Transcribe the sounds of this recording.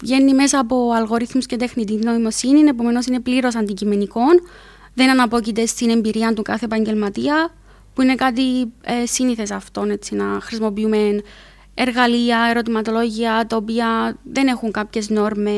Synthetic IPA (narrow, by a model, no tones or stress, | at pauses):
ʝe̞nːime̞sɐːpo̞ɐlɣo̞ɾiθmusce̞t̪e̞xnit̪̬ino̞imo̞sinine̞p̬o̞me̞no̞s̬ine̞pliɾo̞sɐnd̪icime̞niko̞n | ðe̞nɐnɐpo̞cit̪e̞st̪ine̞mbiɾiɐnt̪ukɐθepɐɲɟe̞lmɐt̪iɐ | puine̞kɐt̪iesiniθe̞sɐft̪o̞ne̞t͡sːinɐxɾis̬mo̞p̬iume̞n | e̞ɾɣɐliɐe̞ɾo̞t̪imɐt̪o̞lo̞ʝiɐt̪ɐopiɐðe̞ne̞xuŋkɐpçe̞zno̞ɾme